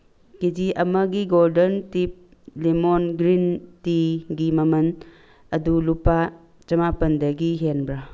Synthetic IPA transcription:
kid͡ʒiʔɐmɐɡiɡoldɐntip̚lemonɡɾintiɡimɐmɐn | ɐdulupa | t͡ʃɐmapɐndɐɡiɦenbɾa

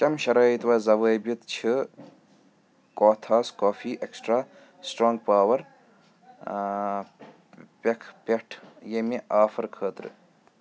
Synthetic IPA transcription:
t͡ʃɐmʃɐɾɐːit̪ʋɐːzɐʋəːjbjit̪t͡ʃʰi | koːt̪ʰaːskoːfʰiːʔeksʈɾaː | sʈɾoːŋɡ̚paːwɐɾ | pekʰpʲeʈʰjemeʔaːfʰɐɾkʰəːt̪ɾɨ̰

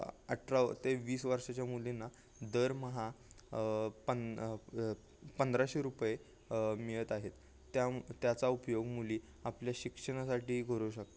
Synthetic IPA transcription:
a̰ʈʰɾat̪eʋiːsʋəɾʂat͡ɕjamulinːa | d̪əɾməɦa | pə | pənd̪ɾaɕiɾupje | miɭət̪aɦet̪ː | jat̪jat͡saupjoɡmuliː | apljaɕikʂəɽ̃asaʈiːkəɾuɕək̚t̪ə

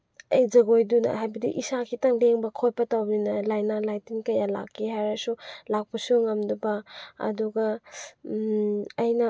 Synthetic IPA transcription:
ɐjzɐɡojdunɐ̰ɦajbɐdḭʔisakʰitaŋleŋbɐkʰojpɐtawninɐlajnalajtinkɐjala̰kːiɦajɾasulak̚pɐsuŋamdubaɐ̰duɡɐ | ɐjnɐ

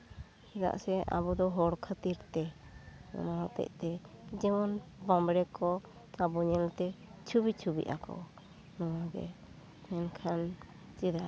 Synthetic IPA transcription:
hid̪a̰ʔsɛa̰bɔd̪ɔɦɔɾkʰət̪iɾt̪ɛ | ɔ̰nɔɦɔt̪ɛ̰ʔ̚t̪ɛd͡ʒɛmɔnbambɽɛkɔ | kabɔɲɛlt̪ɛt͡ʃʰubit͡ʃʰubḭʔakɔ̰ | nɔwaɡɛ̰ | mɛnkʰan | t͡ʃiɾa

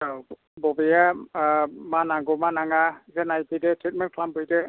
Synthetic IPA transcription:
bɔbeja | manaŋɡomanaŋazenajpɯdetɾit̚mɛnkʰlambɯjde

